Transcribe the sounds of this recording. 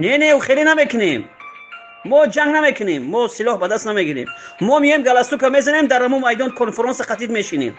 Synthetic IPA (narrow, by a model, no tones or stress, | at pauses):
neneuχelinamekʰunemː | ɔd͡ʒaŋɡnamekʰɨnemːɔsilɔhbad̪ast̪nameɡiɾḛmːɔmiemɡalast̪ukʰamezanemd̪aɾamunmajd̪ɔnkʰɔnfeɾɔnsaqat̪ʰid̪meʃinḛm